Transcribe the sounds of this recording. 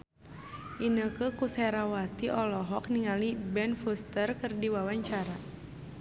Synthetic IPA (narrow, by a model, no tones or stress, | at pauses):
ʔinəkəkusɛɾawat̪iʔɔlɔɦɔk̚niŋalibɛnfust̪ərkərdiwawaɲt͡ʃaɾa